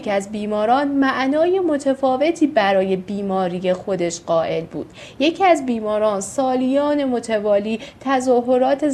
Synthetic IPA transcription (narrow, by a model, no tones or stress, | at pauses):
kʰæzbiːmɒːɾɒːnmæʔnɒːje̞mo̞t̪ʰefɒːve̞t̪ʰiːbæɾɒːje̞biːmɒːɾije̞xo̞d̪e̞ʃɢɒːʔe̞lbṵːd̪̥ | je̞cʰiæzbiːmɒːɾɒːnsɒːlijɒːne̞mot̪ʰevɒːliːt̪ʰæzɒːɦo̞ɾɒːt̪ʰe